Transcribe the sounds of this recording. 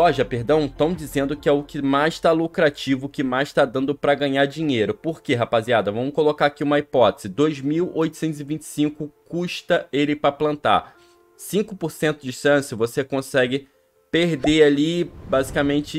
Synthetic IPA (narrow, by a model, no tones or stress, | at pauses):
sɔʒɐpeɦd̪ɐ̃w̃t̪ɐ̃w̃d͡ʒizẽnd̪ʊkɪɛʊkɪmajʃt̪alukɾat͡ʃivʊkɪmajʃt̪ad̪ɐ̃nd̪ʊpɾɐɡɐ̃ɲaɾd͡ʒĩɲejɾʊpoɾkeɦapaziad̪ɐvɐ̃mʊkolokaɾakiũmɐipɔt̪e̥z̥ɪd̪ojzmiwojt̪ʊ̥sẽnt̪ʊzɪvĩnt͡ʃɪ̥sĩŋkʊkuʃt̪ɐelɪpɾɐplɐ̃nt̪a̰ | sĩkʊpoɾsẽnt̪ʊd͡ʒɪʃɐ̃sɪvosekõsɛɡɪ | peɾd̪ealibazikɐmẽnt͡ʃɪ